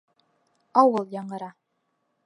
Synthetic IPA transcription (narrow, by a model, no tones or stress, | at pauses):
ɑwɤlˠjɑɴɤ̆ɾɑ